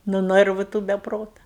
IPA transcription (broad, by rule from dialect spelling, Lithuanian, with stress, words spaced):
nʊ ˈnɜrʋʊ tuː bʲɛ ˈproːtɐ